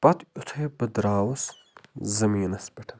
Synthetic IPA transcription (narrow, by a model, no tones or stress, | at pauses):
pɐt̪ut̪ʰebɨd̪ɾaːwɐs | zɐmiːnɐsbɐʈʰɐn